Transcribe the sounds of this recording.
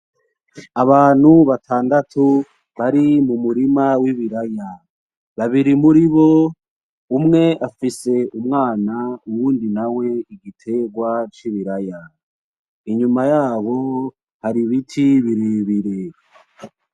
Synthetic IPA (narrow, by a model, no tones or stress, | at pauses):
aβaːn̥huβatʰaːndatʰu | βaɾimumuɾimawiβiɾaja | βaβiɾimuɾiβo̞ | umŋe̞ʔafise̞ʔumŋaːnauwuːndinawe̞iɡitʰe̞ɡwat͡ʃiβiɾaja | iɲumajaːβo̞ | haɾiβitʰiβiɾiβiɾe